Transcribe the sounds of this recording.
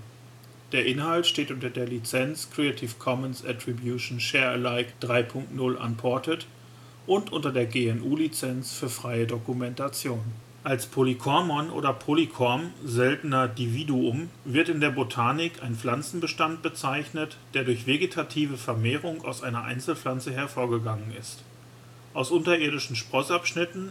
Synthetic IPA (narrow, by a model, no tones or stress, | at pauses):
d̥eːɐʔɪnhaltʃteːtʔʊntɐdeːɐlit͡sɛnskʁ̥eatʰiːfkʰɔmənsɛtʁ̥ibjuʃn̩ʃɛːɐə̰laɪkd̥ʁaɪpʰʊŋk̚tnʊlʔa̰npʰɔɐtət | ʔʊntʔʊntɐdeːɐɡeːɛnʔuːlit͡sɛnsfyːɐfʁ̥aɪədokumɛntat͡sjoːn | ʔalspʰolikʰɔɐmɔnʔo̰ːdɐpʰolikʰɔɐmzɛltn̩ɐdividuʊmvɪɐtɪndeːɐbotʰaːnɪkʰaɪnflant͡sn̩bəʃtant̚b̥ət͡saɪçnətd̥eːɐdʊɐçv̥eɡetʰatʰiːvəfɛɐmeːʁ̞ʊŋa̰ʊsʔaɪnɐʔa̰ɪnt͡sl̩flant͡səɦɛɐfoːɐɡəɡaŋənɪst | ʔaʊsʔʊntɐʔeːɐdɪʃn̩ʃpʁ̥ɔsʔapʃnɪtn̩